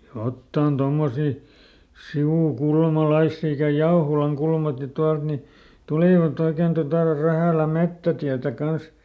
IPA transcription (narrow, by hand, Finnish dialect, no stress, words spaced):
jotːɑˑn tomːosi siuˑkulmɑlɑisːi ikæ jɑoholɑŋkulmɑki tuɑlt ni tuliˑʋɑt oiken totɑˑ ræhæˑlæ metːætiætæ kɑns